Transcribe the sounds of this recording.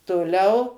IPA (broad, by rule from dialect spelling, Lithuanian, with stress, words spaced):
toːˈlʲɛʊ